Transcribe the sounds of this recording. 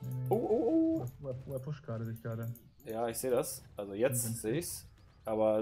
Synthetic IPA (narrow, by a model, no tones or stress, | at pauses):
ʔoːʔoʔoːɛoɛpʰʊʃkaːɾədɪçkaːɾə | jaːɪçz̥eːɾasʔalzojɛt͡stz̥eːɪçs | ʔaːβɐ